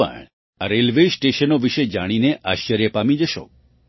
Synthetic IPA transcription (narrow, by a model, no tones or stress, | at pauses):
ə̰ɳ | aɾelʋesʈeʃənoʋiʃed͡ʒaɽ̃ineʔaʃt͡ʃəɾjəpamid͡ʒəʃo̰